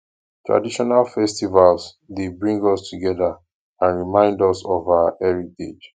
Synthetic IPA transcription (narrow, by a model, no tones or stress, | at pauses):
tɹa̰diʃɔnalfɛstivals | debɹĩŋɡɔstʰuɡɛða | ãnɹimãɪ̃ndɔsɔvaʊəʔɛɹitḛd͡ʒ